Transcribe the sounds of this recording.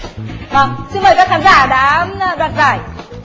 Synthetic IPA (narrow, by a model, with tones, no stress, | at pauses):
va˧˩ŋsɨ˧ŋɓə˨˩jkaː˦˥kʰaː˨˦mzaː˧˩ɗa̰ː˧˦˧ɗwa̰ː˧˨nzaː˨˧˩j